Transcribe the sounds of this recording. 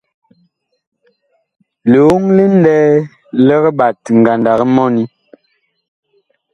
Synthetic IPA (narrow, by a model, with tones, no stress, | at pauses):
lo˨˦ŋli˦n˦dɛː˦ | lɛ˦ɣɓa˨tŋ˨ɡa˨nda˨ɣə˦mɔ˦ni˦